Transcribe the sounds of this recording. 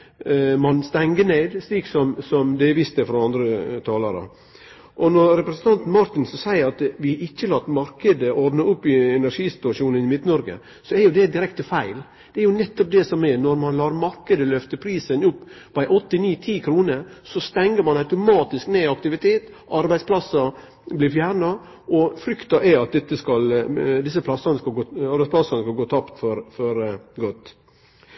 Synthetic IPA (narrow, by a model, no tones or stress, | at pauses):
mɑnst̪ɛŋɡəɳeːd̪sliːksɔmsɔmd̪ɛʋɪst̪əfɾɑɑnd̪ɾət̪ʰɑːlɑɾə̰ | ʔɔnɔɾɾɛpɾɛsənt̪ɑnt̪n̩mɑɾt̪ɪnsɔsæɪəɾɑt̪ʋɪɪçːəlɑt̪ːmɑɾkəd̪əʔɔɾd̪nəʊpːɪɛnæɾʂiːsɪ̥t̪ʉɑʂuːnənɪmɪt̪nɔɾɡə̰ | sɔɛɾjʊd̪ɛd̪ɪɾɛkt̪əfæɪl | d̪̥ɛæɾjʊnɛt̪ːɔp̚d̪ɛsɔmɛnɔɾmɑnlɑːɾmɑɾkəd̪əlœft̪əpʰɾiːsənʊpː | ʋæɪʔɔt̪ːɪniːt̪ʰiːkʰɾuːnəɾsɔst̪ɛŋːəɾmɑnɑʉt̪ʊmɑːt̪ɪskneːɑkt̪ɪʋɪt̪ʰeːt̪ | ɑɾbæɪdspʰlɑsɑ | blɪɾfjæːɾɳɑ | ʔɔfɾʏkt̪ɑʔɛɑt̪̚d̪ɛt̪ːəskɑld̪ɪs̬əpʰlɑsːɑnəskɑlɡoːɑɾbæɪspʰlɑsɑnəskɑlɡoːt̪ʰɑpt̪fɔɾfɔɾɡɔt̪ː